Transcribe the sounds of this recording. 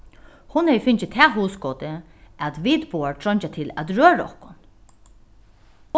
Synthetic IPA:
hʊnhɛjfɪnt͡ʃɪt̪ʰɛːɦuːsɡoːt̪ə | æt̪ʋiːt̪buːaɹt̪ʰɾɔɲt͡ʃat̪ʰɪlæ̰t̪ɹøːɾaɔ̰hkʊn

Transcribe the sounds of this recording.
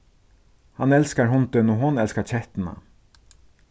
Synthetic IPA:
hanɛlskaɹɦʊnt̪ɪnɔɦʊnɛlskaɾt͡ʃʰɛht̪ɪna̰

